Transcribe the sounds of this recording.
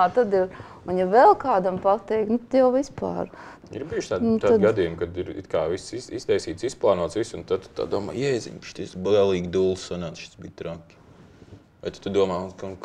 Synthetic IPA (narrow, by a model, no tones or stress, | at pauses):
t̪ad̪ɪ | unjaʋɛlˠkaːd̪ampat̪ɛjk̪̚nʊt̪ad̪jawʋispa̰ːɾ | ḭɾbiːʒt̪aːdnt̪aːɡad̪iːjumkad̪iɾḭt̪kaːvisiist̪ɛjsiːt̪sisplˠaːnuɔt̪sʋisunt̪ad̪̚t̪t̪a̰ːd̪uɔma̰ːjɛjzʲḭɲpi̥ʃt̪isbiɛlˠiːɡʲd̪ulˠssanaːt̪ʃi̥t̪sbiːt̪ɾakʲːi̥ | ajt̪ḁt̪ud̪uɔmaːunka